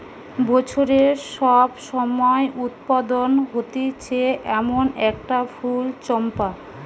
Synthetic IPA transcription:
bɔt͡ɕʰoɾeɾʃɔbʃɔmɔeʔut̪̚pad̪onɦot̪et͡ɕʰeʔɛmonɛk̚ʈafʰult͡ɕɔmpa

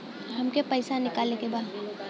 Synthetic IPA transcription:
ɦɐmkepɐɪsanɪkaːlekebaːd̪

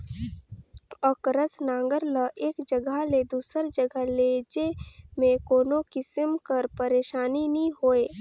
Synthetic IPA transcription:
ɔkɾəsnãːŋɡəɾləʔeːkd͡ʒəɡəled̪uːsəɾd͡ʒəɡəleːd͡ʒemẽkoːnokɪsəmkəɾpəɾeːʃaːniniɦoːeː

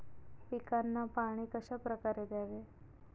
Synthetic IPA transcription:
pikanːapaɽ̃iːkəɕapɾəkaɾed̪jaʋe

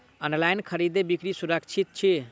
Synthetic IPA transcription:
ənlajnkʰəɾid̪ebikɾisuɾəkt͡ʃʰit̪̚t͡ʃʰi

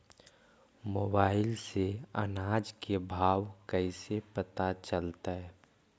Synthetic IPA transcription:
moːbaːɪlseə̰naːd͡ʒkebʱaːwkəɪsepət̪at͡ʃəlt̪aɦɛ

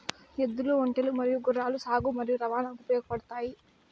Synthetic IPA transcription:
ed̪ːuluoɳʈelumɐɾijuɡuraːlusaːɡumɐɾijuɾɐʋaːnɐupjɔːɡɐpɐɽɐt̪aːji

